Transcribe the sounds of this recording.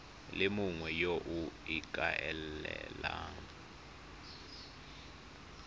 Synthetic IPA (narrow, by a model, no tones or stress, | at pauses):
lemuŋwɛjoʔuik̬ʼaʔɛlɛla